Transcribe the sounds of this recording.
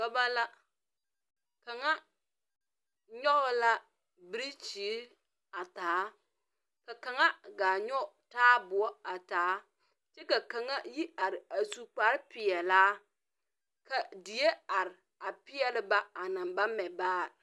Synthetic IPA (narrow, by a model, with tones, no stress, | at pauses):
a˦ba˦la˦ | ka˨ŋa˦ | ɲɔ˦ɣla˦ | bɪ˦ɾi˦t͡ʃi˨˦ | a˨taː˨˦ | ka˨ka˨ŋa˦ɡaː˨ɲɔ˦˨taː˦bʊ˨ɔ˦a˨taː˨˦ | t͡ʃɛ˦ka˨ka˨ŋa˦ji˦a˨ɾɪ˨a˨su˨k͡pa˨ɾpɪ˨jɛ˨laː˦ | ka˨dɪ˨je˦a˨ɾɪ˨ | a˨pɪ˦jɛ˨lɪ˦ba˦a˨na˨mba˦mɛ˨baː˦˨